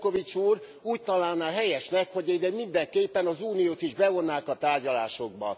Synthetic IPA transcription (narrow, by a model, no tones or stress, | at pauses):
ko̞vit͡ʃuːr | uːc̚t̪ɒlaːlnaːɦɛjɛʃnɛkho̞ɟɛid̪ɛmind̪ɛŋkeːpːɛnɒzuːnijoːt̪iʒbɛvo̞nːaːkɒt̪aːrɟɒla̰ːʃo̞ɡ̚bɒ̰